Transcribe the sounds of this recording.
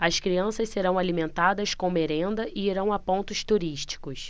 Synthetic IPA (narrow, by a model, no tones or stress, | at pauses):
ɐskɾiɐ̃sɐsseɾɐ̃w̃alimẽnt̪ad̪ɐskõmeɾẽnd̪ɐʔɪiɾɐ̃w̃apõnt̪ʊst̪uɾiʃt͡ʃi̥kʊs